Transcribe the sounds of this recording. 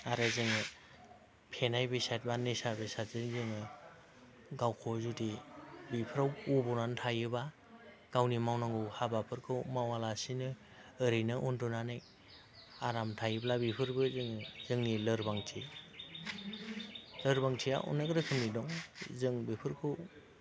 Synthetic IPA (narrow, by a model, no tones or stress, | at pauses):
aɾazɯŋɯ | pʰenajbesat̚banesabesatzɯŋzɯŋɯ | ɡawkʰɔzudibipʰɯɾawubɔnantʰajɯba | ɡ̥awnimawnaŋɡɯwhabapʰɯɾkʰɯwmawalasinɯ | ɯɾɯjnɯʔundunanɯj | aɾamtʰajɯblabipʰɯɾbɯzɯŋzɯŋnilɯɾbaŋtʰi | lɯɾbaŋtʰija̰ʔṵnːɯɡɯɾɯkʰɯmnidɔŋzɯŋbipʰɯɾkʰɯw